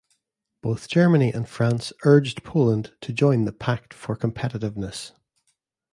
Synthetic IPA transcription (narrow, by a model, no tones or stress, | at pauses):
b̥oθd̥ʒ̥ɜ˞mə̃niʔə̃n̥fɹãnsɜ˞d͡ʒdpʰolˠə̃ntʰəd͡ʒɔ̃ɪ̃nðəpʰak̚tfə˞kʰə̃mpʰɛʔɪʔɪvnəs